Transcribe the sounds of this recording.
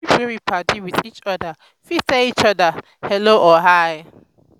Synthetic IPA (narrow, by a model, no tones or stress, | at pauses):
ɛɹipʰatiwiθit͡ʃɔdə | fitait͡ʃɔdə | hɛloʔɔɦaj